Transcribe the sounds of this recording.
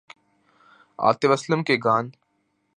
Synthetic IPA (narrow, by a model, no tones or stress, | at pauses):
a̰ːt̪eʋɐsləmkeɡaːn